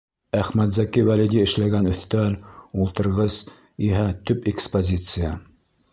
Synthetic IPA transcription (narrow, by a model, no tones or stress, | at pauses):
æχmæt̪zækiwælʲid̪ʲiɘ̆ʃlæɡænɵ̆θt̪ælulˠt̪ɤ̆ɾʁɤz̥ | iɦæt̪ɵpekspozʲit̪sɨja